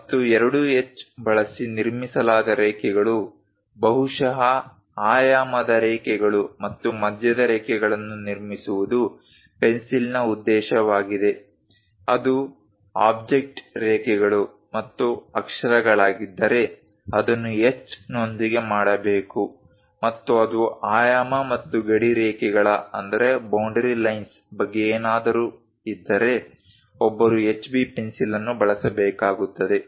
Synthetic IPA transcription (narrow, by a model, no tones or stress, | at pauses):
mɐt̪ːuɛɾɐɽuet͡ʃːbɐɭɐsiniɾmisɐlaːd̪ɐɾɛːkɛɡɐɭu | bɐɦuʂɐɦɐ | aːjaːmɐd̪ɐɾɛːkɛɡɐɭumɐt̪ːumɐd̪ʱjɐd̪ɐɾɛːkɛɡɐɭɐnːuniɾmisuʋud̪u | pe̞nsilnɐud̪ːɛːʃɐʋaːɡid̪e̞ | ɐd̪u | aːb̚d͡ʒek̚ʈɾɛːkɛɡɐɭu | mɐt̪ːuɐkʂɐɾɐɡɐɭaːɡid̪ːɐɾe̞ | ɐd̪ɐnːuet͡ʃːno̞nd̪iɡe̞maːɽɐbeːku | mɐt̪ːuɐd̪uaːjaːmɐmɐt̪ːuɡeɽiɾɛːkɛɡɐɭɐɐnd̪ɐɾe̞bɐwɳɖɐɾilɐjns | bɐɡːeeːnaːd̪ɐɾu | id̪ːɐɾe̞ | ɔbːɐɾuet͡ʃːbiːpensilɐnːubɐɭɐsɐbɛːkaːɡut̪ːɐd̪e̞